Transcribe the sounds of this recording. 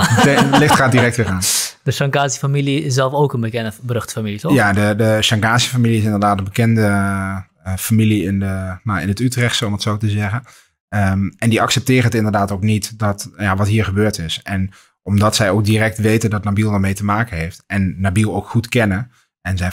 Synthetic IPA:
lɪxtχaːdirɛk̚tʋɪːraːndəʃɑŋkaːsəfamiliɪs̬ɛlˠfoːkənbəkɛndəbrɵxtə̥familitɔjadədəʃɑŋkaːsəfamiliɪs̬ɪndəɹdaːtənbəkɛndə | familiɪndənaɪ̰nətytrɛχtsɔmətsowtəzɛɣən | əɛndiɑksɛp̚tɪːrənətɪndəɹdaːtowknitdɔtjaʋɑtɦiːɹχəbøːɹtɪsɛn | ɔmdɑtsɛjowk̚dirɛk̚tʋejtəndɔtnabilˠʋamejtəmaːkənɦejftɛnːabilˠowkχutkɛnə | ɛnzɛj

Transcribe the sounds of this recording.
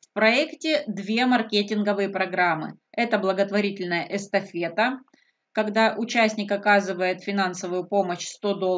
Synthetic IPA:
fpɾɐɛktʲɪd̪vʲe̞mɐrkʲetʲɪnɡəvɨjəpɾɐɡɾamːɨ̰ɛt̪əblˠəɡət̪vɐɾʲitʲɪlʲnəjəʔɛst̪ɐfʲe̞t̪ə | kɐɡd̪aʔʊt͡ɕæsʲnʲɪkɐkazɨvəjɪt̪fʲɪnansəvʊjʊpo̞məɕst̪o̞d̪o

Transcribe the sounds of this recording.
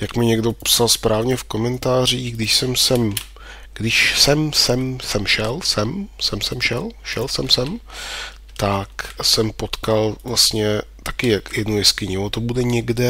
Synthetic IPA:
jakmɪɲɛɡdo̞psalspɾʔaːvɲɛfko̞mɛnt̪aːr̝iːɡdɪʃsɛmsɛm | ɡ̥dɪʃsɛmsɛmsɛmʃɛlsɛmsɛmsɛmʃɛlʃɛlsɛmsɛm | t̪aksɛmpot̪kalvlast̪ɲɛt̪akɪjakjɛdnujɛskɪɲɪot̪obudɛɲɛɡdɛ

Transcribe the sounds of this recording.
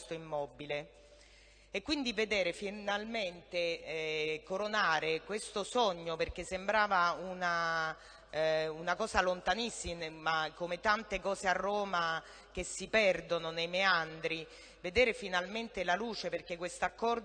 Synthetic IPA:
st̪oimːɔbile | kːwind̪ived̪eːɾefinalment̪e | koɾonaːɾekwest̪osɔɲːoperk̟esːembɾaːvauna | unakɔːsalont̪anisːimemakomet̪ant̪ekɔːzearːoːma | k̟esːipɛrd̪ononejmeand̪ɾi | ved̪eːɾefinalment̪elaluːt͡ʃeperk̟ekːwest̪oakːɔrd̪

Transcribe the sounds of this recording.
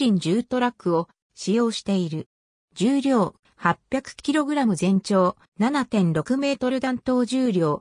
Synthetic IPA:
ĩɲ̟d͡ʑɨːt̪o̞ɾakːɯ̟o̞ | ɕijo̞ːɕi̥t̪e̞iɾɯ̟ | d͡ʑɨːɾʲo̞ː | hapʲjakɯ̟̥kʲiɾo̞ɡɯ̟ɾamɯ̟zẽ̞ɲ̟t͡ɕo̞ː | nanat̪ẽ̞nɾo̞kɯ̟me̞ːt̪o̞ɾɯ̟d̪ãnt̪o̞ːd͡ʑɨːɾʲo̞ː

